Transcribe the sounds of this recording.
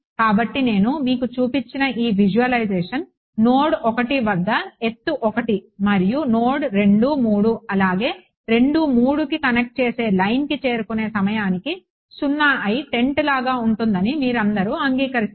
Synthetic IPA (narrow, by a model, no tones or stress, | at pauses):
kaːbɐʈːine̞ːnumiːkut͡ʃuːpit͡ʃːinɐʔiːʋid͡ʒuʋɐlɐjd͡ʒeːʂɐn | no̞ːɽɔkɐʈiʋɐd̪ːɐe̞t̪ːuʔɔkɐʈimɐɾijunoːɽɾe̞ɳɖumuːɽuɐlaːɡe̞ː | ɾe̞ɳɖumuːɽukikɐnek̚ʈ̚t͡ʃe̞ːse̞ːlɐjnkit͡ʃe̞ːɾukune̞ːsɐmɐjaːniki | sunːaːʔɐjʈe̞ɳʈlaːɡaːuɳʈund̪ɐnimiːɾɐnd̪ɐɾuɐŋɡiːkɐɾi